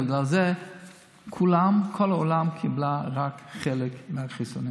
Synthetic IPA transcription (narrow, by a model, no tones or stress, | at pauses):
bɪɡlalze | kʰulamkʰɔloːlamkʰiblaʁakχelɪkmɪaχisuni